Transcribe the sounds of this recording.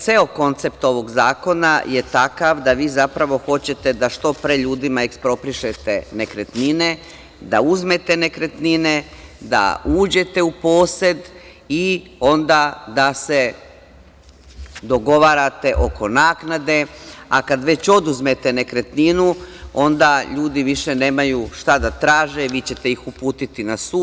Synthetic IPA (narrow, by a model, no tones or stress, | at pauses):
t̪se̞o̞ko̞nt̪se̞pt̪o̞ʋo̞ɡzaːko̞na̰je̞t̪akaʋd̪aʋiːzapɾaʋo̞xo̞t͡ɕe̞t̪e̞d̪aʃt̪o̞pɾe̞ʎuːd̪imaekspɾo̞pɾiʃe̞t̪e̞ne̞kɾet̪nine̞ | d̪a̰uzme̞t̪e̞ne̞kɾe̞t̪nine̞d̪a̰uːd͡ʑe̞t̪e̞upo̞ːse̞d̪ | io̞nd̪aːd̪ase̞ | d̪o̞ɡo̞ʋaːɾat̪e̞ʔo̞ko̞naːknad̪e̞akad̪ʋe̞t͡ɕo̞d̪uzmet̪e̞ne̞kɾe̞t̪ninuo̞nd̪aʎuːd̪iʋiʃe̞ne̞ːmajuʃt̪ad̪at̪ɾaːʒeʋit͡ɕe̞t̪e̞ixupuːt̪it̪inasuː